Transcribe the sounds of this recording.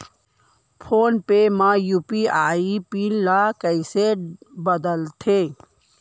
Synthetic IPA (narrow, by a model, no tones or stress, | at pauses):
pʰoːnpemãjuːpiaːipiːllakəɪsebəd̪əlt̪ʰeː